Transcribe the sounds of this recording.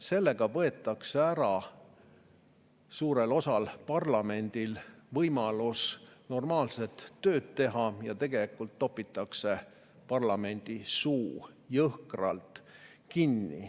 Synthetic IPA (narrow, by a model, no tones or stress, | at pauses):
se̞lːe̞ɡ̥ɑvɤ̞e̞t̪ːˑɑkseæɾɑ | suːɾe̞lo̞sɑlpɑrlɑme̞nd̪̥ilvɤjmɑlusno̞rmɑːlset̪ːøːd̪̥̚t̪e̞ɦɑjɑt̪e̞ɡ̥e̞likːult̪ːo̞pːˑit̪ːˑɑkse̞ | pɑrlɑme̞nʲd̪̥isuː | jɤhkrɑ̰lt̪ˑ | kinːḭ